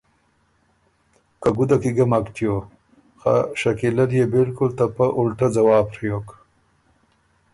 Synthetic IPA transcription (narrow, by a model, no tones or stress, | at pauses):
kaɡud̪akiɡamakt̪jo | xa̰ʂakilaɾjebɪlkʊlt̪apaʔʊlʈad͡zawɑːpɾijok